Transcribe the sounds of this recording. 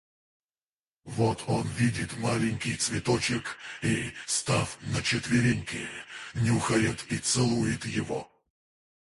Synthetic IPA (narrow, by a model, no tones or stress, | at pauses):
vot̪ʰonvʲidʲɪt̪malʲɪnʲkʲɪjt̪svʲɪt̪ot͡ɕɪkist̪afnət͡ɕɪt̪vʲɪɾʲɪnʲkʲɪ̰nʲɪʊxɐɾʲɪt̪it̪sɨlˠujɪt̪jɪvo̰